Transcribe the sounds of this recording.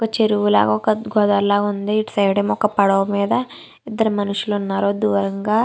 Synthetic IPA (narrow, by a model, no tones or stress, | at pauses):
ɔkɐt͡ʃeɾuʋula̰ːɡɐɔkɐɡʱɔd̪ɐɾlaːɡɐund̪iːʈsɐjɽɐmɔkɐpɐɽɐʋɐmiːd̪ɐ | id̪ːɐɾumɐnuʂulounːaːɾoɐd̪ːuʋɐɾɐŋɡaː